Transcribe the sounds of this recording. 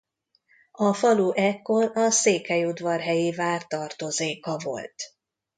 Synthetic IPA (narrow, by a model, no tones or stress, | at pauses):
ɒfɒluʔɛkːorɒseːkhɛjud̪vɒrɦɛjeːvaːrt̪ɒrt̪o̞zeːkɒvo̞̰lt̪